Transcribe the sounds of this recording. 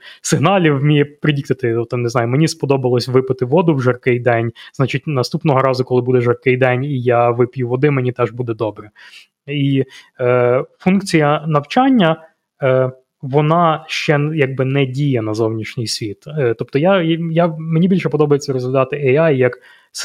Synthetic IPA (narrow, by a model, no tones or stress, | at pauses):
sɪɦnɑlʲiwmʲijɛpɾɪdʲikt̪ɐt̪ɪɔt̪ɔnɪzɑjʊmenʲispɔd̪ɔbɪlˠɔsʲʋɪpɪt̪ɪʋɔd̪ʊwʒɐrkɪjd̪ɛnʲznat͡ʃitʲnɐst̪upnɔɦɔɾɑzʊkɔlˠɪbud̪ɛʒɐrkɪjd̪ɛnʲijaʋɪpʲjuʋɔd̪ɪmenʲit̪ɛʒbud̪ɛd̪ɔbɾɛ | i | funkt͡sʲijɐnɐwt͡ʃanʲːɐ | ʋɔnɑʃt͡ʃɛjaɡ̚bɪnɛdʲijɛnɐzɔwnʲiʃnʲijsʲʋʲit̪t̪ɔp̚t̪ɔjajamenʲibʲilʲʃɛpɔd̪ɔbɐjet͡sʲːɐɾɔzlʲɪd̪ɑt̪ɪɛɑjjɐk | s